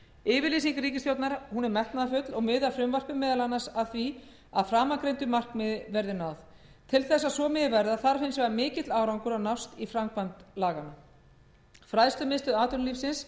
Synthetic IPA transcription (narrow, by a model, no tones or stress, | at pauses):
ɪːvɪɾliːsiŋkɾiːcɪst̪jowt̪naɾhunɛɾmɛht̪naðafʏt̪lɔɣmʏːðafɾʏmvar̥pɪmɛːðalanːasaðθvi | aðfɾaːmakɾejnt̪ʏmar̥kmɪðvɛɾðɪnawθ | t̪ʰɪlθɛsːasvɔmɪːðvɛɾðaθaɾfɪnsvɛɣamɪːcɪt̪laːwɾawŋkʏɾawnawst̪ifɾamkvant̪laːɣana | fɾaðst̪ʏmɪst̪ʏðaːt̪ʏnliːfsɪns